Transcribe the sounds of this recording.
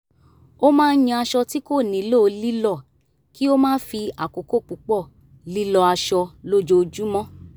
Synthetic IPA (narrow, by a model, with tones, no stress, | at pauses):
o˦mãː˦˧n̩˦jĩ˧a˧ʃɔ˧ti˦ko˦˨nĩ˨˦lo˦˧li˦lɔ˦˨ | ki˦o˦mãː˦fi˧a˨ko˨ko˦˨k͡pu˨k͡pɔ˦˨ | li˦lɔ˧a˧ʃɔ˧lo˦˨d͡ʒo˧d͡ʒu˦mɔ̃˦